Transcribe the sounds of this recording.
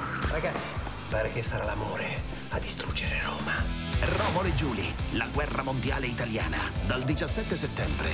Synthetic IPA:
raɡat̪sːi̥ | paːɾekesaɾalamoːɾe | ad̪ːist̪ɾud͡ʒːeɾero̰ːma | rɔːmoled͡ʒuːlilaɡwɛrːamond̪ja̰ːleit̪alja̰ːna̰d̪ald̪it͡ʃasːɛt̪ːeset̪ːɛmbɾḛ

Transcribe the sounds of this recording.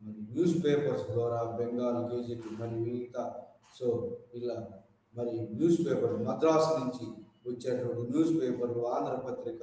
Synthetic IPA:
mɐɾinjuːspeːpɐɾsd̪waːɾaːbeŋɡaːlɡeːd͡ʒinimɐɾiʋilt̪a | soilːa | mɐɾinjuːspeːpɐɾmɐd̪ɾaːsniɲt͡ʃi | ut͡ʃːeɾɐnjuːspeːpɐɾluaːnt̪ɐɾɐpɐt̪ɾikɐ

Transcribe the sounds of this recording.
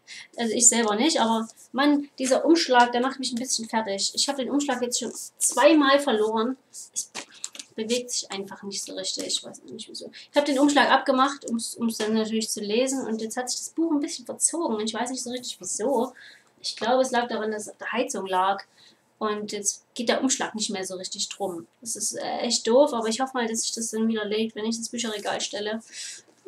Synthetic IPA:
ʔalzoɪçz̥ɛlbɐnɪçtʔaːbɐ | mand̥iːzɐʔʊmʃlaːk̚d̥eːɐmaχtmɪçn̩bɪsçnfɛɐtɪçʔɪçhaːbədeːnʔʊmʃlaːkjɛt͡stʃoːnt͡sv̥aɪmaːlfɛɐloːʁən | ʔɛsb̥əveːk̚z̥ɪçʔaɪnfaχnɪçtz̥o̰ːʁɪçtɪçɪçv̥a̰ɪsn̰nɪçtviːzo̰ːʔɪçhaːbədeːnʔʊmʃlaːkʔap̚ɡ̥əmaχtʔʊmsʊmsd̥anːatʰyːɐlɪçt͡suleːzn̩ʊ̰ntjɛt͡sthatz̥ɪ̥çd̥asb̥uːχnbɪsçn̩fɛɐt͡soːɡŋ̩ʊnɪçv̥aɪsnɪçtz̥oːʁɪçtɪçv̥iːzoː | ʔɪçɡ̥laʊbəɛslaːk̚d̥aʁandassaʊfd̥eːɐhaɪt͡sʊŋlaːk | ʔʊntjɛt͡sɡ̥eːtd̥eːɐʔʊmʃla̰ːknɪçtmeːɐzoːʁ̞ɪçtɪçd̥ʁʊmd̥asɪstʔɛ̰ːʔɛçt̚d̥oːfʔaːbɐɪçhɔfəmaːldasɪ̥çd̥asd̥anviːdɐleːk̚vɛnɪçd̥asb̥yːç̬ɐʁeɡa̰ːlʃtɛlə

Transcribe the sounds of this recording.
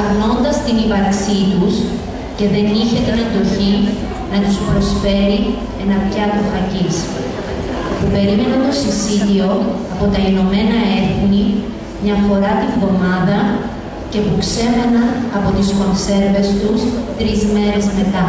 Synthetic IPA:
ɐɣno̞nd̪ɐst̪inivɐɾksit̪us | ce̞ðe̞niçe̞t̪inend̪o̞çi | nɐt̪uspɾo̞sfe̞ɾi | e̞nɐpçɐt̪oxɐcis | pupe̞ɾime̞nɐt̪o̞sisiðio̞ɐpo̞t̪ɐino̞me̞nɐe̞θni | mɲɐfo̞ɾɐt̪iɱðo̞mɐðɐ | ce̞pukse̞menɐnɐpo̞t̪isko̞nse̞ɾve̞st̪ust̪ɾizme̞ɾe̞zme̞t̪ɐ

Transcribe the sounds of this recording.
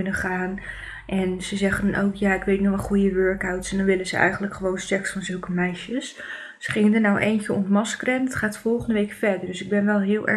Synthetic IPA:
nəχaːn | ʔɛnzəzɛχəndno̰wkjaːɪkʋejtnuʋɑχujəʋøɹkawtsɛndɔnʋɪlənzəɛ̰jχəntləkχəʋownsɛksfɑnzɵlˠkəmɛjʃəs | sə̥χɪŋəndənawʔejncəɔ̰ntmɑskrɛndɑtχaːtfɔlˠχəndəʋejkfɛɹdəɹdɵsɪɡ̚bɛnʋɛlˠɦɪːlˠʔɛ̰

